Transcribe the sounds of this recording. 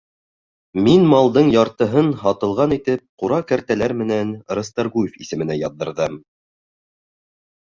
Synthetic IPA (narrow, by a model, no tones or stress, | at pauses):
minmɑlˠd̪ɤɴjɑɾt̪ɤ̆ɦɤnɦɑt̪ɤ̆lˠʁɑnit̪ɘp̚quɾɑkæɾt̪ælæɾmɘ̆nænɾɤ̆st̪ɑɾɡujefisɘ̆mɘ̆næjɑðːɤ̆ɾðɤm